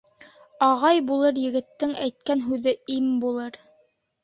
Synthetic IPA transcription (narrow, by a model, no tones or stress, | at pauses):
ɑʁɑjbulˠɤɾjɘ̆ɡɘ̆t̪ːɘŋæjt̪̚kænɦʉðɘimbulˠɤɾ